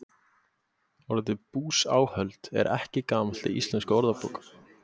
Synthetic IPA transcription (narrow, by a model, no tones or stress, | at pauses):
ɔɾðɛt̪ɪpuːsa̰ːwhœlt̪ɛ̰ɾʔɛ̰hcɪkaːmḁl̥t̪ɪḭst̪lɛnskɔɾðapɔ̰ːk